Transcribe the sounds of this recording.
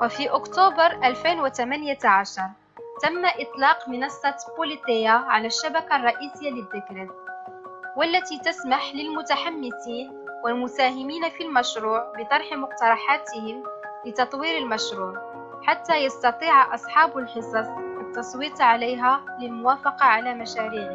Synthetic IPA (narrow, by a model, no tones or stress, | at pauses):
wæfiʔʊkt̪ubɑɾˤʔælfijnwat̪æmænjaʕaʃɑɾˤ | t̪æmːaʔɪt̪ˤlɑːqmɪnɑsˤːɑbulit̪ˤɪjːaʕalæʃːabakarˤːɑʔisəjːaləb̪əkɾit̪ | wælːæt̪it̪æsmaħlɪlmʊt̪aħamːɪsiːn | wəlmʊsæːɦɪmiːnafilmæʃɾuːʕbət̪ˤɑɾˤħmʊq̚t̪ɑɾˤɑħaːt̪əhɪm | lət̪ɑt̪ˤwiːɾəlmæʃɾuːʕ | ħat̪ːæjɑst̪ɑt̪ˤiːʕʔɑsˤħɑːbəlħəsˤɑsˤʔət̪ːɑsˤwiːt̪ˤʕalæjɦæləlmʊwaːfɑqɑʕalæmæʃæːɾiːʕ